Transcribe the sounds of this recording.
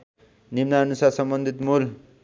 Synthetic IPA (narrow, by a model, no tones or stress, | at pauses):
nimnaʌnusarsʌmbʌnd̪ʱit̪mul